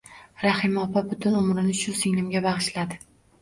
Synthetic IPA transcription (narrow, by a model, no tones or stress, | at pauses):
ɾahɪmɒpʰabʊt̪ʰʊnʊmɾɪnɪʃʊsɪŋnɪmɡʲabɑʁɨʃlad̪ɪ